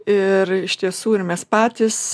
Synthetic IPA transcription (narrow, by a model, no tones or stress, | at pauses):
ɪrɪʃt̪ʲiɛsuːɪɾmʲɛspɑːt̪ʲɪs